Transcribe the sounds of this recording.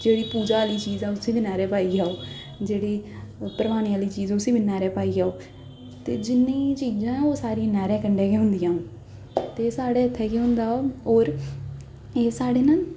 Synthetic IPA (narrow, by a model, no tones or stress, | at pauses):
d͡ʒeːɽiːpuːd͡ʒaːliːt͡ʃiːzɛːʊsẽːbiːnɛːɾɛːpaːiːaːoː | d͡ʒeːɽiː | pəɾəʋaːɽ̃iːaːliːt͡ʃiːzːʊsĩːbinɛːɾɛːpaːiːaːoː | t̪eːd͡ʒɪnːĩːt͡ʃiːzãːoːsaːɾiãːnɛːɾɛ̃ːkəɳɖeːkeːɦʊnd̪ijãː | t̪eːsaːɽeːət̪ʰːɛːkeːɦʊ̃nd̪aːoːoːɾ | eːsaːɽeːnaː